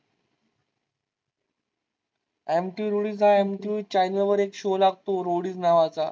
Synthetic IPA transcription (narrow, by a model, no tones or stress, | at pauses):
emʈiʋɾoɽiːs̬ɦaemʈiʋit͡ɕajnəlʋəɾekɕolaɡ̚ʱt̪oɾoɽiːt͡snaʋat͡sa